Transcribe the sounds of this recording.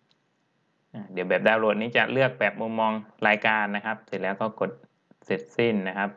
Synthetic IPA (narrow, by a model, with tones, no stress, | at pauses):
ʔaː˧˩d̪i˨˩˦əwbɛː˨˩p̚daː˧wloː˨˩t̪̚niː˦˥˩t͡ɕa̰˨˩ʔ̚lɯ˥˩ək̚bɛː˨˩p̚mu˧mmɔː˧ŋlaː˧jkaː˧nːa˦˥kʰa˦˥p̚sʰi˨˩lɛː˦˥wk̪ʰaː˧˩ko˨˩t̪̚ | se˨˩t̪̚si˧˥˩nːa˦˥kʰa˦˥p̚